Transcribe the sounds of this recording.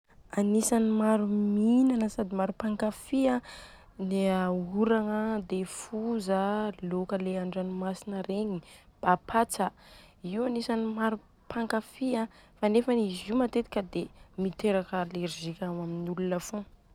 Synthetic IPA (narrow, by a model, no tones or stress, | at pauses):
anisanimaɾuminanəsad̪imaɾupaŋkafiã | neauɾaŋəd̪efuzəlokəleaɳɖ͡ʐanimasinəɾeɲib̥apʰat͡sə | iwanisanimaɾu | pʰaŋkafiãfanefənizimat̪et̪i̥kʲəd̪emit̪eɾakəleɾzikʲamaminulunəfõ